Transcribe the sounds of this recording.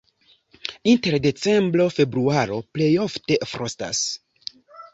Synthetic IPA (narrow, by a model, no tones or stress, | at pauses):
inte̞ɾde̞t͡se̞mbɾo̞fe̞bɾuaɾo̞ple̞jo̞fte̞fɾosta̰s